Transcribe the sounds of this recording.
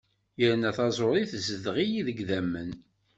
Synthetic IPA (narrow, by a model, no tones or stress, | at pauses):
jəɾnæθɑzˤoɾˤiθzəðʁijiðəɡðæmːən